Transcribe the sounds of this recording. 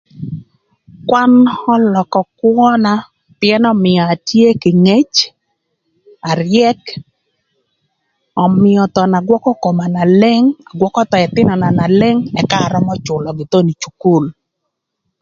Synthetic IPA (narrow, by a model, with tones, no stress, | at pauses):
kwa˦nɔ˦lɔ˨kɔ˨kwɔ˦na˦ | pjɛ˦nɔ˦mɪɔ˨a˨tje˦kɪ˨ŋe˦t͡ʃ | a˨ɾɪɛ˦k | ɔ˨mɪɔ˨t̪ɔ˨na˨ɡwɔ˦kɔ˦ko˨ma˨na˨lɛ˦ŋa˨ɡwɔ˦kɔ˦t̪ɔ˨ɛ˨t̪ɪ˦nɔ˨na˨na˨lɛ˦ŋɛ˨ka˦ɾɔ˦mɔ˦t͡ʃʊ˨lɔ˨ɡɪ˨t̪o˦ni˨t͡ʃu˨ku˦˨l